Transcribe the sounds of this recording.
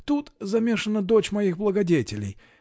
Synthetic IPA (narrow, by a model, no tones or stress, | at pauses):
t̪ut̪zɐmʲe̞ʂənːəd̪ot͡ɕmɐixblˠəɡɐdʲetʲɪlʲɪ̰j